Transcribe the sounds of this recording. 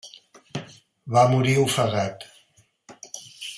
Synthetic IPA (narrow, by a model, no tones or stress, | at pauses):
βamuɾiufəɣat̪